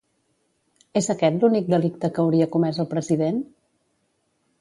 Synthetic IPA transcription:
ezəkɛt̪lunik̚d̪əlik̚t̪əkːwɾiəkumɛzəlˠpɾəziðen

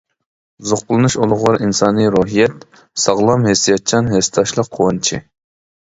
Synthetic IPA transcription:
zoqpʊlˠɨnuʃolˠʊʁɑɾʔinsɑːnɨɾoɦijɛt̪ | sɑʁlˠɑmɦesijɑt̪̚t͡ʃʰɑnɦest̪ʰɑʃlˠəq̚ʰːowɑnt͡ʃʰḭ

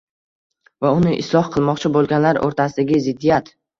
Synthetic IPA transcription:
vaʊnɪʔɪ̰slˠɒhqʰɨlˠmɒqt͡ʃʰabolˠɡʲanlaɾʔo̰ɾt̪ʰasɪd̪aɡʲɪzɪd̪ːijat̪

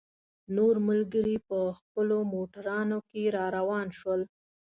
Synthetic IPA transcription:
noɾməlɡəɾipəxpəlomoʈaɾɑnokeɾɑɾawɑnʃwəl

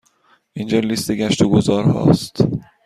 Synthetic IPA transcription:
ʔind͡ʒɒlist̪eɡʲæʃt̪oɡozɒːɾhɒ̰ːst̪

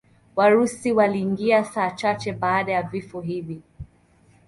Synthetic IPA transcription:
waɾusiwaliːŋɡiasaːt͡ʃat͡ʃɛɓaːɗajavifɔɦivi

